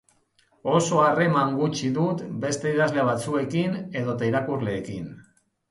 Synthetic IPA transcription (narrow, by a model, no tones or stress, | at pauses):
o̞so̞are̞maŋɡut͡ʃiðut̪be̞st̪eiðazle̞aβ̞at͡sue̞kine̞ð̞o̞t̪aiɾakurle̞ːkin